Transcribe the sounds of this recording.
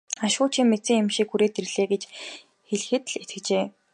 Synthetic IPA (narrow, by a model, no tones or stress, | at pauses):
aʃʊːt͡ɕʰiːŋmet͡siːŋemʃiːkxuɾeːt̪erɮeːɡet͡ɕ | xeɮxɘ̆t̪ɮet̪ɘ̆kt͡ɕeː